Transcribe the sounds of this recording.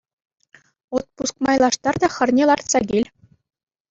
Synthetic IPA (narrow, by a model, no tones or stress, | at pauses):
ot̪̚pusk̚mɑjlˠɑʂt̪ɑrd̪ɑxʲɤ̆rnʲelˠɑrt̪sɑɡʲelʲ